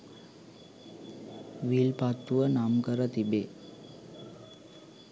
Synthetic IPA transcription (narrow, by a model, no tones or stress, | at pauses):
ʋilpat̪ːuʋənamkəɾət̪ibe